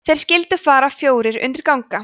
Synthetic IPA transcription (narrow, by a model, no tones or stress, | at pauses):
θejɾ̥scɪlt̪ʏfaːɾafjoːwɾɪɾʏ̰nt̪ɪɾkawŋka